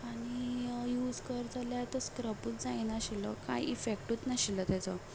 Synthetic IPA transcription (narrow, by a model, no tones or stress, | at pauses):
aɽ̃ijuːd͡zkəɾd͡zaljat̪əskɾəpuːt͡sd͡zaenaɕilɔkaiʔifek̚ʈuːt͡snaɕilət̪jat͡sɔ